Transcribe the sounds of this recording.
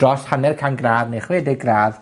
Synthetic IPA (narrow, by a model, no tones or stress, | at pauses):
d̥rɔshanɛrkʰanɡraːðnejχweːdɪɡraːð